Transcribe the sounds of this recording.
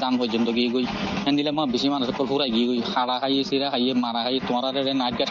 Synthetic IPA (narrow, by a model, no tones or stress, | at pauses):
d̪anpɔjd͡ʒɔnd̪ɔɡiɡoj | ɛnd̪ilɛmɔ̃bisimanusɔkːɔlɦuɾajɡiɡojhaɽaɦajesiɾaɦajemaɾaɦajet̪ʊ̃aɾaɾɛɾɛnajt̚ɡaʈ